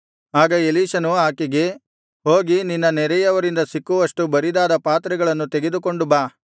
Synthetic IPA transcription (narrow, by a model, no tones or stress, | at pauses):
aːɡɐeliːʃɐnuaːkiɡe̞ | ɦoːɡininːɐnɛɾɛjɐʋɐɾind̪ɐsikːuʋɐʂʈubɐɾid̪aːd̪ɐpaːt̪ɾɛɡɐɭɐnːut̪eɡe̞d̪uko̞ɳɖubaː